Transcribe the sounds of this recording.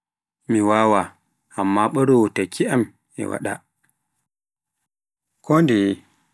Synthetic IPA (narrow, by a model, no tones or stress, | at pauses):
miwawa | amːaɓəɾowotakʰiʔam | ḭwa̰ɗa̰ | kʰondi